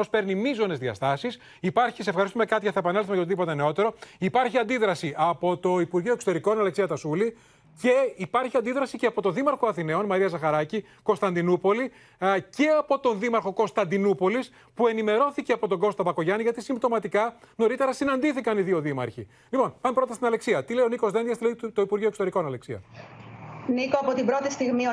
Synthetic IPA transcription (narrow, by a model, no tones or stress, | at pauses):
ospe̞ɾnimizo̞ne̞zðiɐst̪ɐsis | ipɐɾçiseefxɐɾist̪ume̞kɐt̪iʝɐθɐepɐnelθumejɐoiðipo̞t̪ene̞o̞t̪e̞ɾo̞ipɐɾçiɐnd̪iðɾɐsiʔɐpo̞t̪o̞ipuɾʝio̞eksot̪eɾiko̞nɐleksiɐt̪ɐsuli | ce̞ipɐɾçiɐnd̪iðɾɐsiceɐpo̞t̪o̞ðimɐɾxo̞ɐθine̞o̞nmɐɾiɐzɐxɐɾɐci | ko̞nst̪ɐnd̪inupo̞li | ce̞ɐpo̞t̪o̞nðimɐɾxo̞ko̞nst̪ɐnd̪inupo̞lis | pue̞nime̞ɾo̞θiceɐpo̞t̪o̞ɡo̞st̪ɐpɐko̞ʝɐniʝɐt̪isimbt̪o̞mɐt̪ikɐno̞ɾit̪e̞ɾɐsinɐnd̪iθikɐniðio̞ðimɐ̰ɾçi | lipo̞npɐmepɾo̞t̪ɐst̪inɐle̞ksiɐt̪ile̞jo̞niko̞zðe̞nd̪iɐsilet̪o̞ipuɾʝioeksot̪eɾiko̞nɐle̞ksiɐ̰ | nikoɐpot̪ibɾo̞t̪ist̪iɣmio